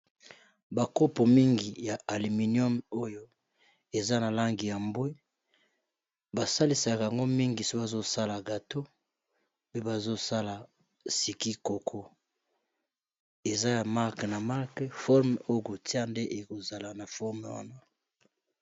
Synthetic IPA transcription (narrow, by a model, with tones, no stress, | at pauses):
ba˨ko˦po˨mi˦ŋɡi˨ja˨ʔa˨li˨mi˨njɔ˦mo˦jo˦ | e˨za˦na˨la˦ŋɡi˨ja˨mbwi˦ | ba˨sa˦li˨˦sa˨ka˨ja˨ŋɡo˦mi˦ŋɡi˨so˦ka˨zo˦sa˦la˨ɡa˨to˦ | pe˦ba˨zo˦sa˦la˨ | si˨ki˦ko˨kʰɔ˦ | e˨za˦ja˨ma˦kna˨ma˦ʁkfɔ˦ʁm˨o˦jo˦ko˨ti˦a˦nde˦ʔe˨ko˨za˨la˨na˨fɔ˦ʁme˨wa̰˦na˦